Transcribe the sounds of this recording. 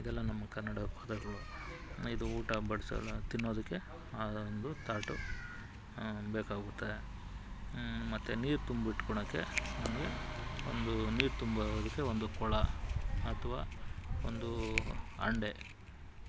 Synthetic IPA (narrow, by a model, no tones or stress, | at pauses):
id̪ɛlːɐnɐmːɐkɐnnːɐɽɐpaːd̪ɐɡɐɭuid̪uuːʈɐbɐɽisɐ̰lːɐt̪inːo̞ːd̪ɐkːe̞ | and̪ut̪aːʈu | bɛːkaːɡut̪ːee | mɐt̪ːeniːɾt̪umbiʈːkɔɳɐkːe̞̰nɐmɐɡe̞o̰nd̪uniːɾt̪umbɐɾoːd̪ɐkːe̞ond̪ukɔɭɐɐt̪ʰɐʋa̰ːond̪u | ɐ̰ɳɖe̞